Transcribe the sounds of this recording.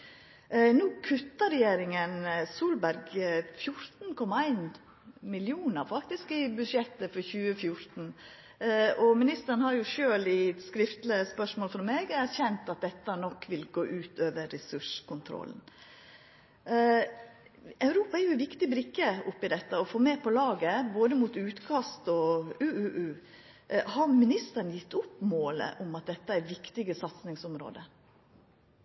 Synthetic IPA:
nuːkʰʉt̪ːəɾɛjeːɾɪŋənsuːlbæɾɡfjʊɾt̪n̩kʰɔmːɑæɪn | mɪljuːnəɾfɑkt̪ɪskɪbʉʂɛt̪ːəfɔɾçʉːəfjʊɾt̪n̩ | ɔmɪnɪst̪əɾnhɑɾjʊʃøːlɪskɾɪft̪lɪspœʂmoːlfɾɔmeːɡæɾçɛnt̪ɑt̪̚d̪ɛt̪ːənɔkːʋɪlɡoːʔʉːt̪ʰøːʋəɾːɛsʉʂkʊnt̪ʰɾɔ̰ln̩ | ɑʉɾuːpɑæɾjʊæʋɪkt̪ɪbɾɪkːəʊpːɪd̪ɛt̪ːəɔfoːmeːpʰɔlɑːɡəboːd̪əmuːt̪ʉːt̪kʰɑst̪ɔʉːʔʉːʔʉː | hɑɾmɪnɪst̪əɾnjɪt̪ːʊpːmoːlə̰ʔʊmɑt̪̚d̪ɛt̪ːəæɾʋɪkt̪ɪɡəsɑt̪snɪŋsʊmɾo̰ːd̪ə

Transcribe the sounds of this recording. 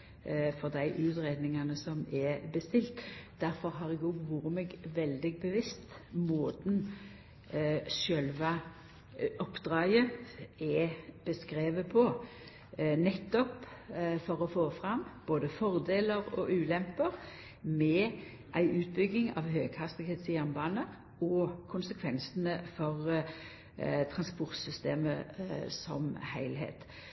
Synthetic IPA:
fɔʁd̪æɪʔʉːt̪ʁeːd̪nɪŋɑnəsɔmɛbəst̪ɪlt̪d̪æɾfɔɾɦɑʁɛɡoɡʋuːɾəmɛɡʋɛld̪ɪɡ̚bəʋɪst̪moːd̪n | ʃœlʋɑ | ʔɔpd̪ʁɑːɡəɛb̥əskɾeːʋəpʰɔ | nɛt̪ːɔpfɔʁɔfoːfʁɑmb̥oːd̪əfɔʁd̪eːləʁɔ̰ʔʉːlɛmpəʁ | mɛ | ʔæɪʔʉːt̪̚bʏɡːɪŋɑ̰ʋɦøːɡ̥hɑst̪ɪɡeːt̪sɪjæʁnbɑːnəʁ | ɔkʰʊnsəkʰʋɛnsənəfɔʁ | t̪ʰʁɑnspʊʁt̪sʏst̪eːmə̰sɔ̰mhæɪlɦḛːt̪

